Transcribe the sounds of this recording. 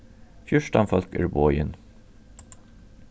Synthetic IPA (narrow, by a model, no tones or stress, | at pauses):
fjʊʃʈɑnfɔlkə̰ɹbɔʏən